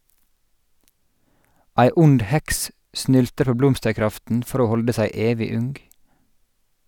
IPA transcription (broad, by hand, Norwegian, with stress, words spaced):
ˈʔæɪ ˈʊnd ˈhɛks ˈʔsnʏltəɾ ˈpoː ˈblɔmstəɹˌkɾɑftn̩ ˈfɔɾ ˈoː ˈhɔldə ˈsæɪ ˈeːʋɪ ˈʉŋɡ